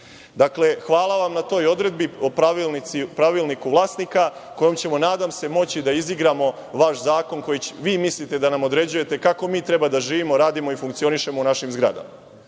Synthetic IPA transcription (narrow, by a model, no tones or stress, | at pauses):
d̪akle̞xʋaːlˠaʋamnat̪o̞ːjo̞d̪ɾe̞d̪̚biopɾaʋilˠnit̪sipɾaʋilˠnikuʋlˠaːsnika | ko̞jo̞mt͡ɕe̞mo̞naːd̪amse̞mo̞t͡ɕid̪aiziɡɾamo̞ | ʋaʃzaːko̞nko̞jiʋiːmislit̪e̞d̪anamo̞d̪ɾe̞d͡ʑuje̞t̪e̞kako̞miːt̪ɾe̞bad̪aʒiːʋimo̞ɾaːd̪imo̞ifuŋkt̪sio̞niʃe̞mo̞unaʃimzɡɾa̰d̪a̰ma